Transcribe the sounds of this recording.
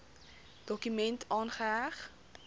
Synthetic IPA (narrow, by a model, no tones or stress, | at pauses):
d̥ɔkymɛntʰɑːnχəɦæχ